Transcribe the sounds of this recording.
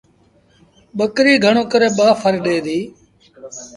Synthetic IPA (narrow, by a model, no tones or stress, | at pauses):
ɓəkɾiːɡʱəɳ̃oːkəɾeːɓaːfʰəɾɗeːd̪iː